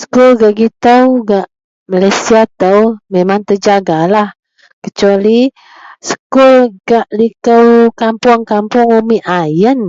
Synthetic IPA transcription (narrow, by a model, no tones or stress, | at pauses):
sə̥kulɡaʔɡit̪əwɡaʔ | malajsiat̪əwmemaŋt̪əd͡ʒaɡalah | kət͡ʃuali | sə̥kulɡaʔlikəwkampʊŋkampʊŋumiʔajən